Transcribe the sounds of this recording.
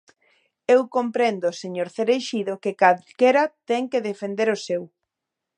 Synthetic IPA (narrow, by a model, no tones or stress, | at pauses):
ewkompɾend̪ʊseɲoɾθeɾejʃiðokekaðkeɾɐt̪ɛŋkeðefend̪eɾʊsew